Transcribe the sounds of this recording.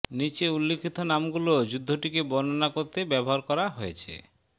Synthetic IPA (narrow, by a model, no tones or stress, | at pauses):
nit͡ɕeulːekʰit̪onamɡulod͡ʑud̪ʱːoʈikebɔnonakoɾt̪ebɛboɦaɾkɔɾaɦojet͡ɕʰḛ